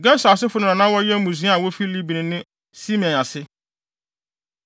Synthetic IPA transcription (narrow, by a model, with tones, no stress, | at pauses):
ɡɛ˦sa˨s̬ɪ˦fʊ˦nʊ̃˨nã˨nã˦wɔ˦jɛ˦mũ˨s̬ĩ˨˦a˦a˨wɔ˦fi˦li˦bi˨nɪ̃˨nɪ̃˦ | si˦m˨ɛ̃˨n˨a˨sɪ˦